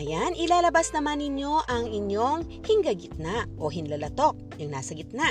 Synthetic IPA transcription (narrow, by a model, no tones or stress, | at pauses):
ɐjanʔɪlaːlɐbasnɐmanːɪɲjo̞ʔɐŋɪɲjo̞ŋ | hɪŋɡɐɡɪt̪̚naʔʔoɦɪnlɐlɐt̪o̞k̚jʊŋnaːsɐɡɪt̪naʔ